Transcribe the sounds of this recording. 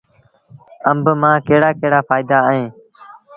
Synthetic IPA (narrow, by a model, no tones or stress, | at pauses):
əmbmãːkeːɽaːkeːɽaːfaːɪd̪aːɦẽː